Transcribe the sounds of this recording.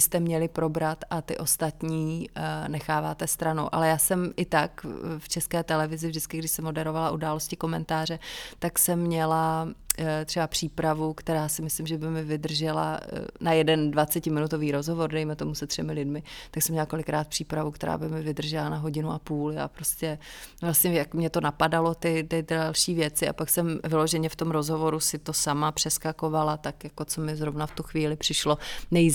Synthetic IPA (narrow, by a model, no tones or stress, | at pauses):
ɪst̪ɛmɲɛlɪpɾo̞bɾat̪ʔat̪ɪʔo̞st̪at̪ɲiːnɛxaːvaːt̪ɛst̪ɾano̰wʔa̰lɛjaːsɛmʔɪt̪akft͡ʃɛskɛːt̪ɛlɛvɪzɪvʒdɪt͡skɪɡdɪʃsɛmo̞dɛɾovalaʔudaːlo̞scɪko̞mɛnt̪aːr̝ɛt̪aksɛmːɲɛla | t̪r̥ɛbapr̥iːpɾavukt̪ɛɾaːsɪmɪslɪmʒɛbɪmɪvɪd̪r̩ʒɛla̰najɛdɛndvat͡sɛcɪmɪnut̪o̞viːɾo̞zɦo̞vo̞rdɛjmɛt̪o̞musɛt̪r̥ɛmɪlɪdmɪt̪aksɛmɲɛlako̞lɪkɾaːt̪̚pr̥iːpɾavukt̪ɛɾa̰ːbɪmɪvɪd̪r̩ʒɛlanaɦo̞ɟɪnuʔapuːlja̰ːpɾo̞scɛvlast̪ɲɛjakmɲɛt̪o̞napadalo̞t̪ɪt̪ɪdalʃiːvjɛt͡sɪʔa̰paksɛmvɪlo̞ʒɛɲɛft̪omɾo̞zɦo̞vo̞ɾusɪt̪o̞samapr̝̥ɛskako̞valat̪akjako̞t͡somɪzɾo̞vnaft̪uxviːlɪpr̥ɪʃlo̞nɛj